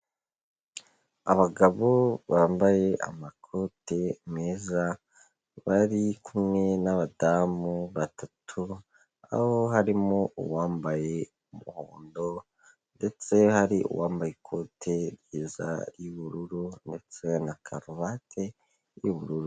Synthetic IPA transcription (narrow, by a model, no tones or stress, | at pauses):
a̰βaɡaβo̞βaːmbaje̞ʔa̰makʰo̞te̞meːza | βaɾikʰumŋe̞naβadamuβatʰatʰu | a̰hoɦaɾimoṵwaːmbaje̞ | umuhoːndo̞ | nde̞t͡se̞haɾiṵwaːmbajekʰo̞ːtʰe̞ɾjiːza̰ɾjuβuɾuɾunde̞t͡se̞nakʰaɾoβatʰe̞ | juβuɾuɾu